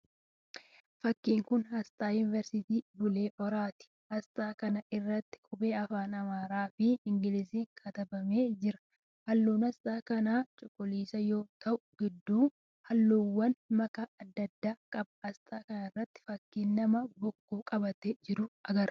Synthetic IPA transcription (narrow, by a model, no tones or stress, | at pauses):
fɐkːiːŋkʊnhɐst̪ʼaːjʊnɪvɛɾsɪt̪iːbʊle̞ːʔɔɾaːt̪ɪ̥ | hɐst̪ʼaːkɐnɐʔɪrːɐt̪ːɪ̥kʼʊbe̞ːɐfaːnɐmaːɾaːfɪɪŋɡɪlɪsiːŋkʰɐt̪ɐbɐme̞ːd͡ʒɪɾɐ̥ | hɐlːuːnɐst̪ʼaːkɐnaːt͡ʃʼʊkʼːʊliːsɐjo̞ːt̪ɐʔʊɡ̥ɪd̪ːuː | hɐlːuːwːɐnmɐkaɐd̪ːɐd̪ːaːkʼɐb̚hɐst̪ʼaːkɐnɐɪrːɐt̪ːɪ̥fɐkːiːnːɐmɐbɔkːuːkʼɐbɐt̪ed͡ʒɪɾʊʔɐɡɐɾ